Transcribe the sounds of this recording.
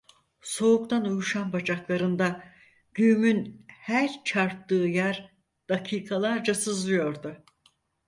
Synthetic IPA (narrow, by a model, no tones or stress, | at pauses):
so̞ukt̪ʰanujuʃanbad͡ʒaklˠaɾɯnd̪a | ɟ̥yːmynhæɾt͡ʃʰaɾt̪ːɯːjæɾ | d̪̥akʰiːkʰalˠaɾd͡ʒasɯzlˠɯjo̞ɾd̪ʊ